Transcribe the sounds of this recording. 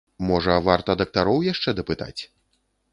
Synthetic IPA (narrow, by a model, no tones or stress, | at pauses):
mɔʐɐvart̪ɐd̪ɐk̚t̪aɾɔwjaʂt͡ʂɛd̪ɐpɨt̪a̰t͡sʲ